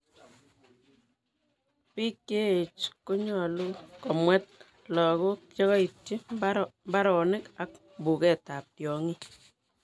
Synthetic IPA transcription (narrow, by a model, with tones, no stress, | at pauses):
pi˦kːe˦e˨t͡ʃko˦ɲɔ˨lu˦kɔ˨mwɛ˦t̚ | lɔ˨ko˦kt͡ʃɔ˦kɔ˦i˨tt͡ʃi˦mba˦ɾɔ˨nɪ˦ka˦k̚ | mbu˨kɛ˦˨ta˨p̚tjɔ˨ŋi˦